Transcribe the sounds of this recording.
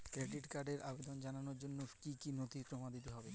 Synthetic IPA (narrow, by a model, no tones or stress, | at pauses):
kɾeɖiʈkaɾɖeɾʔabed̪ond͡ʑananoɾd͡ʑonːokikinot̪ipɾomad̪ʱit̪eɦɔbe